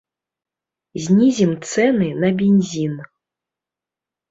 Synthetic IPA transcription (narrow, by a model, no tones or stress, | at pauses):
zʲnʲizʲimt̪sɛnɨnɐbʲenʲzʲin